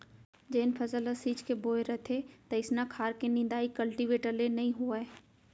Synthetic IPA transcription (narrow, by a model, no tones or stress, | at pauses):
d͡ʒeːnpʰɐzələsiːt͡ʃkeboːeɾət̪ʰet̪ɐɪsnakʰaːɾkenɪ̃nd̪aːikɐlʈiʋeːʈəlenɐɦĩɦuae